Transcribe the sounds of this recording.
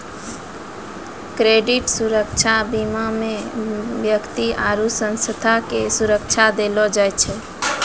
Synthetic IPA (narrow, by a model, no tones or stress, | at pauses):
kɾeɖiʈsuɾəkt͡ʃʰabimamebjəkt̪iʔaɾusə̃nsət̪ʰakesuɾək̚t͡ʃʰad̪elɔd͡ʒajt͡ʃʰɛ